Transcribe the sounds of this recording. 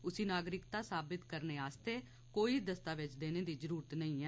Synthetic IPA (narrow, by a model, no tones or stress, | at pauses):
ʊsiːnaːɡɾɪkt̪aːsaːbɪt̪kəɾneːaːst̪eː | koːiːd̪əst̪aːʋɪt͡ʃd̪eːneːd̪iːd͡ʒəɾuːɾət̪nəĩːɛː